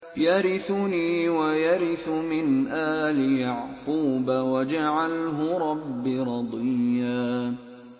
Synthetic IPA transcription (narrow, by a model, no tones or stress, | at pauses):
jaɾɪθʊniːwajaɾɪθʊmɪnʔaːlɪjaʕquːbawad͡ʒaʕalɦʊɾˤɑbːiɾˤɑd̪ˤɪjːaː